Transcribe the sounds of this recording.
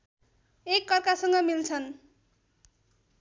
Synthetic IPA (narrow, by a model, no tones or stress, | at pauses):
ekːʌrkasʌŋɡʌmilt͡sʰʌn